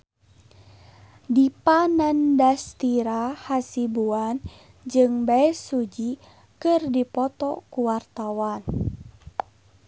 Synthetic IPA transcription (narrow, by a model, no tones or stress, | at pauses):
dipanandast̪iɾahasibuan | d͡ʒɨŋbaɛsud͡ʒi | kɨrdipɔt̪ɔkuwart̪awan